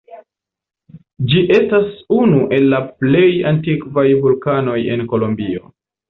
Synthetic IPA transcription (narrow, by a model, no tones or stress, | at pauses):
d͡ʒiʔe̞stasunuʔe̞lːaple̞jantikvajvulkano̞je̞̰nko̞lombio̞̰